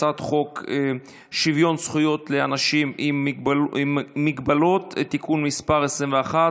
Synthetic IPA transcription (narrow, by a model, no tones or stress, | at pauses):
at̪χo̞ke | ʃivjo̞nsχujo̞t̪leanaʃimim | iɡbalo̞t̪et̪ikunmispaʁesʁimveaχa